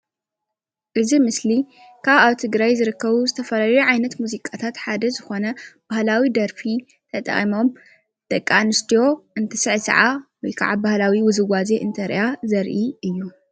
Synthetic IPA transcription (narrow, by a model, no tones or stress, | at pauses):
ʔɨzimɨsli | kʰaβaβt̪ʰɨɡɾajzɨɾɨkːɐβuzɨt̪ʰɐfɐlaluʕajnɐt̪muzikʼat̪ʰat̪ħad̪ɐzɨxo̞nɐb̥ahlawid̪ɐɾfi | t̪ʰɐt̪ʼχʼimo̞m | t̪ʼɐkʼːanɨst̪ʰijo̞ʔɨnt̪ʰɐsɨʕsɐ̰ʕa̰wɔjkʰa̰ʕabahlawiwʊzɨɡazeʔɨnt̪ʰɐɾḭʔazɐɾʔiʔɨjːu